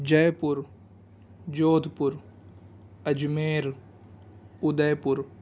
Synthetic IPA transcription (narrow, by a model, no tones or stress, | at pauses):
d͡ʒɐjpʊɾ | d͡ʒoːd̪ʱpʊɾ | ɐd͡ʒmeːɾ | ʊd̪ɐjpʊɾ